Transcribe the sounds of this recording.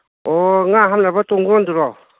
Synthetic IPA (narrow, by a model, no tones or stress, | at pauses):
ɔŋaɦamnabatɔŋɡɔnduɾɔw